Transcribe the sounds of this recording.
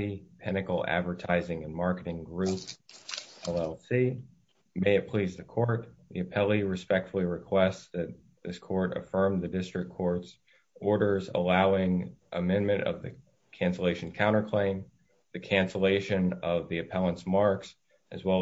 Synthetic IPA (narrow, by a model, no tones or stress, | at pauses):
ipʰɛnɨkl̩ˠæ̰dvə˞tʰaɪzɪ̃ŋɨ̃nmɑɹkɨɾɪ̃ŋɡɹʉp | ɛlˠɛlˠsi | meɪɨt̚pʰl̥izðɨkʰɔɹt̪̚ðḭɨpʰɛlˠiɹɨspɛk̚tfl̩ˠiɹɨkʰw̥ɛstsðɨt̪̚ | ðɪskʰɔɹɾɨ̰fɜ̃˞mðɨdɪstɹ̥ɨkʰːɔɹts | ɔɹɾə˞zə̰laʊɪ̃ŋʔɨmɛ̃nmɨ̃ñtʌ̰vðɨ̰ | kʰæ̃nsəleɪʃn̩kʰãʊ̃ɾ̃ə˞kʰl̥ẽɪ̃m | ðɨkʰæ̃nsəleɪʃɨ̃nʌvðiɨpʰɛlˠə̃nsmɑɹks | ʔɨzwɛ